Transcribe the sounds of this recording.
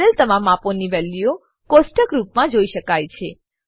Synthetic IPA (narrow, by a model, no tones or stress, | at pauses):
əlt̪əmamaponiʋɛlːio | kosʈəɡɾupmãd͡ʒoiʃəkajt͡ʃʰe